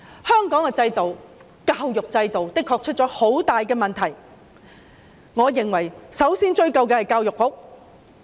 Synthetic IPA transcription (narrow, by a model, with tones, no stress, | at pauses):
hœː˥ŋkɔː˨˥ŋkɛː˧t͡sɐ˧jt̪o˨w | kaː˧wjʊ˨k̚t͡sɐ˧jt̪o˨wt̪ɪ˥kʰːɔː˧k̚t͡ʃʰɵ˥t̚t͡ʃɔː˨˥ho˨˥wt̪aː˨jkɛː˧mɐ˨nt̪ʰɐ˨˩j | ŋɔː˨˧jɪ˨˩ŋwɐ˨˩jsɐ˨˥wsiː˥nt͡ʃɵ˧ɥkɐ˨˧wkɛː˧hɐ˨jkaː˧wjʊ˨kːʊ˨˥k̚